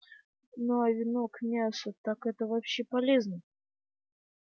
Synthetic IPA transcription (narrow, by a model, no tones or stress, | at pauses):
noɐvʲɪno̞kmʲasʊt̪akɛt̪əvɐpɕːepɐlʲe̞znə